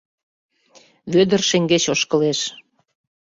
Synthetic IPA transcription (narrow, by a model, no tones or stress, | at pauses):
βød̪ə̆rʃeŋɡet͡ɕoʃkə̆leʃ